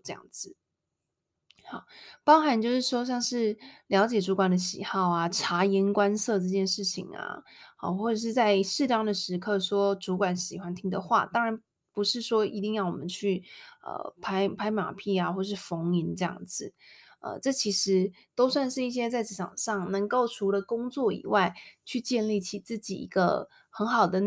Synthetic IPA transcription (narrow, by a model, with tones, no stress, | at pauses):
ɤ˥˧jɑ̰˥˩ŋd͡zɹ̩˨˩ | xɑ˨˩˦ʊpɑ˥ŋxa˧˥nt͡ɕjo˥˧ʊʂɻ̩˥˩ʂwɔ˥ɕ̬jɑ˥˧ŋʂɻ̩˥˩ljɑ˧˥ʊt͡ɕjɛ˨˩ʈ͡ʂu˧˥kwa˨˩nd̪ə˦ɕḭ˨˩xɑ˥˩ʊa˨˩ʈ͡ʂʰa˧˥i˧˥nkwa˥nsɤ˥˧ʈ͡ʂɤ˥˧t͡ɕjɛ˥˧nʂɻ̩˥˩t͡ɕʰḭ˨˩ŋa̰˩xa˧˩xwɔ˥˩ʈ͡ʂɤ˨˩ʂ̬ɻ̩˥˧t͡sa˥˧ɪʂɻ̩˥˩ʈ͡ʂɑ˥ŋd̪ə˨ʂɻ̩˧˥kʰɤ˥˩i˨˩ʂwɔ˥ʈ͡ʂu˧˥kwa˨˥nɕi˨˩xwa˦nt̪ʰi˥ŋd̪ə˨xwa̰˥˩t̪ɑ˥ŋɻa˧˥n | pu˧˥ʂɻ̩˥˩ʂwɔ˥ʔi˧˥t̪i˥˧ŋjɑ˥˩ʊwɔ̰˨˩mə˦nt͡ɕʰy˥˩ə̰˩pʰa˥ɪpʰa˧˥ɪma̰˨˩pʰi˥˩a˩xwɔ˥˩ə˨˩ʂɻ̩˥˩fo˧˥ŋi˧˥nʈ͡ʂɤ˥˧jɑ̰˥˩ŋd͡zɹ̩˨˩ | ə̰˧ʈ͡ʂɤ˥˩t͡ɕʰi˧˥ʂɻ̩˧˥ | t̪o˥ʊswa˥˧nʂɻ̩˥˧i˥˩ɕ̬jɛ˥t͡sa˥˩ɪt͡s̩˧˩ʈ͡ʂʰɑ̰˨˩ŋʂɑ˥˩ŋnə˧˥ŋko˥˩ʊʈ͡ʂʰu˧˥lə˧kʊ˥ŋt͡swɔ˥˩ḭ˨˩wa˥˩ɪt͡ɕʰy˥˧t͡ɕjɛ˥˧nli˥˩t͡ɕʰi˨˩t͡sɹ̩˥˩t͡ɕḭ˨˩ḭ˧˥ɡə̰˧ | xə˧˥nxɑ˨˩ʊd̪ə˦